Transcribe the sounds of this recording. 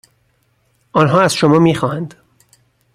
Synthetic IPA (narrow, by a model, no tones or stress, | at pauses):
ʔɒːnɦɒːæz̥ʃomɒːmiːxɒːhænd̪̥